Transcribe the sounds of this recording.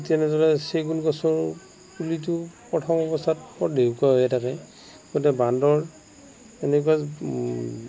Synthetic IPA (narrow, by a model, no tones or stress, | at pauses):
tɛnɛzaɹɛseɡulɡɔsɔɹ | pulitʊpɹɔtʰɔmɔbɔstʰat̚pɔdekuaɦɔjɛtakɛ | ɡotɛbandɔɹ | enɛkua